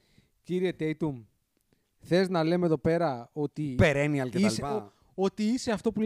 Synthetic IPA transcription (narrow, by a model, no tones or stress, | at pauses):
ciɾie̞t̪e̞jt̪um | θe̞znɐle̞meðo̞pe̞ɾɐo̞t̪ipeɾeniɐlkeɐliɐ | o̞t̪iise̞ɐft̪o̞pul